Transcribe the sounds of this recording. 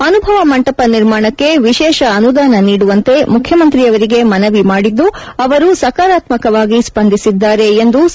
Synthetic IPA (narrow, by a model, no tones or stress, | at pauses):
ɐnubʱɐʋɐmɐɳʈɐpɐniɾmaːɳɐkːe̞ʋiʃɛːʃɐːnud̪aːnɐniːɽuʋɐnt̪e̞mukʰjɐmɐnt̪ɾiɐʋɐɾiɡe̞mɐnɐʋimaːɽid̪ːuɐʋɐɾusɐkaːɾaːt̪mɐkɐʋaːɡispɐnd̪ʱisid̪ːaːɾe̞ːnd̪u